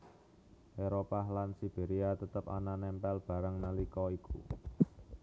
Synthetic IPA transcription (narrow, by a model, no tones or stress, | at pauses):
ʔeɾopaɦlansib̥eɾiat̪ət̪əpa̰nanɛmpɛlb̥ä̤ɾəŋnalikɔikṵ